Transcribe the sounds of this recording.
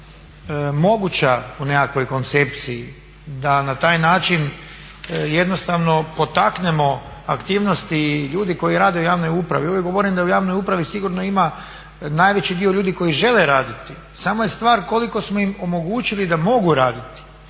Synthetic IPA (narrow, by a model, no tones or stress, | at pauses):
mo̞ɡut͡ɕaunekakʋo̞jko̞nt̪se̞p̚t̪sii | d̪anat̪aːjnaːt͡ʃin | je̞d̪no̞st̪aʋno̞po̞t̪akne̞mo̞ | akt̪iːʋno̞st̪iʎuːd̪iko̞jiɾaːd̪e̞ujaːʋno̞jupɾa̰ʋioʋjeɡo̞ʋoɾind̪aujaːʋnojupɾaʋisiɡuɾno̞ima | naːjʋe̞t͡ɕid̪io̞ʎuːd̪iko̞jiʒe̞leɾaːd̪it̪i | saːmo̞jest̪ʋaːɾko̞liko̞smoimo̞mo̞ɡuːt͡ʃilid̪amo̞ɡuɾaːd̪it̪i̥